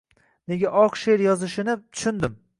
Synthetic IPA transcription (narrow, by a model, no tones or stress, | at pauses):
ne̞ɡʲaʔɒqʃeɾjɒzɪʃɪnɪt̪ʰʊ̥ʃʊnd̪ɪm